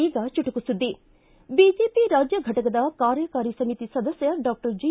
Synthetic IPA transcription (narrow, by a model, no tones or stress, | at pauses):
iːɡɐt͡ʃuʈukusud̪ːi | bid͡ʒeːpiɾaːd͡ʒjɐɡʱɐʈɐkɐd̪ɐkaːɾjɐkaːɾisɐmit̪isɐd̪ɐsjɐɖaːk̚ʈɐɾd͡ʒi